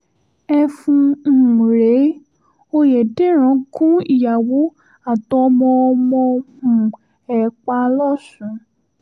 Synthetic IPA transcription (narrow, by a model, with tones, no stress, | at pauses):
ɛ˧fũ˧˨ɾe˨˦ | o˧jɛ˨de˦ɾ̃ã˨˦kũ˦i˦˨ja˨wo˨˦ | a˦˨tɔ˧mɔ̃˧ɔ˧mɔ̃˧hũ˨ | ɛ˨k͡pa˧˦lɔ˦˨sũ˨˧˦